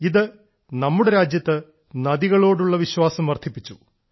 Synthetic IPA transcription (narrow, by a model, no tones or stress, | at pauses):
iðɨ | nɐmːuɽeɾaːd͡ʑjɐt̪ːɨ | nɐðiɣɐɭo̞ːɽuɭːɐʋiɕwaːsɐmʋɐrt̪ʰːipːit͡ɕːu